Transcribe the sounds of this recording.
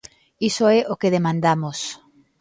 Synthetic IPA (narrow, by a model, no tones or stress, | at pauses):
isoɛʔokeðemãnd̪amos